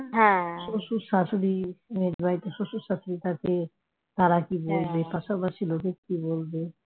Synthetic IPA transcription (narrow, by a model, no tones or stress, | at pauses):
ɦɛ̃ʃoʃuʃasoɾimed͡ʒbajt̪oʃoʃuʃasoɾit̪ake | t̪aɾakibolbepaʃapaʃilokekibolbe